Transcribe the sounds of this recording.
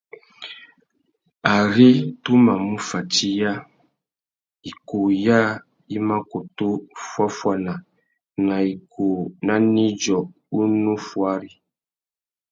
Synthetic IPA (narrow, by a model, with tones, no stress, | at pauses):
a˨ɾi˦tu˦ma˨mũ˦fa˨ti˦ja˦˨ | i˨ko˨ja˦ | i˦mã˦ko˨to˦fwa˦fwa˨nã˨ | na˨i˨kʰo˨nã˦nĩ˦d͡ʒɔ˨ | u˦nũ˦fwa˦ɾi˦